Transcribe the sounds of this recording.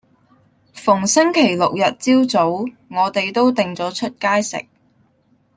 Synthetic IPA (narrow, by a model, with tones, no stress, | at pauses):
fʊ˨˩ŋsɪ˥ŋkʰe˨˩jlʊ˨k̚jɐ˨t̚t͡siː˥wt͡so˨˥w | ŋɔː˨˧t̪e˨jt̪o˥wt̪ɪ˨ŋt͡sɔː˨˥t͡ʃʰɵ˥t̚kaː˥jsɪ̰˨k̚